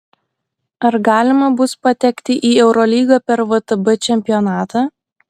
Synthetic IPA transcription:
ɐɾɡɑːlʲɪmɐbʊspɐt̪ʲɛkʲt̪ʲɪʔiːɛʊɾɔlʲiːɡɑpʲɛɾʋot̪ɐbɐt͡ʃʲɛmʲpʲɪjɔnɑːt̪ɑː

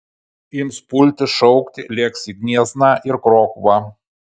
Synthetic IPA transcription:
ɪmspʊlʲt̪ʲɪʃɔʊkt̪ʲɪlʲɛksʲɪɡʲnʲiɛznɑʔɪɾkɾoːxʋɑ

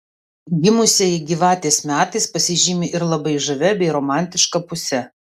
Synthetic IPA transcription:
ɡʲɪmʊsʲeːjɛɡʲiːʋɑːt̪ʲɛɪsmʲæːt̪ɐɪspɐsʲɪʒʲiːmʲɪʔɪɾlˠɐbɐɪʒɐʋʲɛbʲɛɪɾɔːmɑˑnʲt̪ʲɪʃkɐpʊsʲɛ

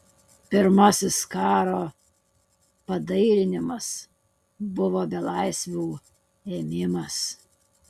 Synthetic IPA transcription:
pʲɪɾmɐsʲɪskɑːɾoː | pɐd̪ɐɪɾʲɪnʲɪmɐs | bʊʋoːbʲɛlˠɐɪsʲʋʲuː | eːmʲɪmɐs

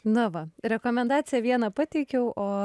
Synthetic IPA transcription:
nʊʋɐɾʲɛkoːmʲɛnd̪ɑːt̪sʲɪjɛʋʲiɛnɑpɑːt̪ʲɛɪkʲɛʊʔoː

